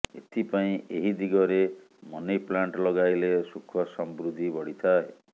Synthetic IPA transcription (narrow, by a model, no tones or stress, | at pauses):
ḛt̪ʰipaĩeɦid̪iɡɔɾe | mɔniplaɳʈɔlɔɡajlesukʰɔsɔmbɾud̪ʱibɔɽit̪ʰaɦe